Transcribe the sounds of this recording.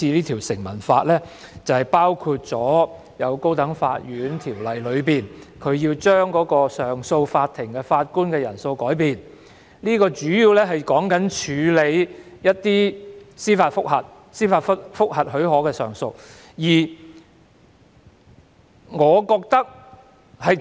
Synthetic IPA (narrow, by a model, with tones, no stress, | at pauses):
iː˧liː˥t̪ʰi˨˩wsɪ˨˩ŋmɐ˨˩nfaː˧t̚lɛː˥t͡sɐ˨˩whɐ˨jpaː˥wkʰu˧t̚t͡sɔː˨˥ | jɐ˨˧wko˥wt̪ɐ˨˥ŋfa̰ː˧t̚jyː˨˥nt̪ʰiː˨˩wlɐ˨˩jlɵ˨˧ɥpiː˨nkʰɵ˨˧ɥjiː˧wt͡ʃœː˥ŋkɔː˨˥kɔː˧sœː˨˩ŋso˧wfaː˧t̚t̪ʰɪ˨˩ŋkɛː˧faː˧t̚kuː˥nkɛː˧jɐ˨˩nso˧wkɔː˨˥jpiː˨n | liː˥kɔː˧t͡ʃyː˨˥ji˧wlɛ˥ɦɐ˨jkɔː˨˥ŋkɐ˨˥nt͡ʃʰyː˨˧le˨˧jjɐ˥t̚t̪iː˥siː˥faː˧tfʊ˥k̚hɐ˨t̚ | siː˥faː˧tfɐ˥t̚fʊ˥k̚hɐ˨t̚hɵ˨˥ɥɦɔː˨˥kɛː˧sœː˨ŋso˧w | jiː˨˩ | ŋɔː˨˧kɔː˧k̚t̪ɐ˥k̚ | hɐ˨j